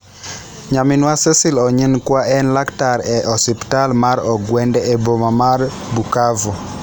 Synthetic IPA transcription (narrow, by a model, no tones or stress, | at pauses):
ɲamɪnwasɛsilɔɲinkwaɛnlaktaɾɛʔɔsɪptalmaɾɔɡwɛndɛebomamarbukavɔ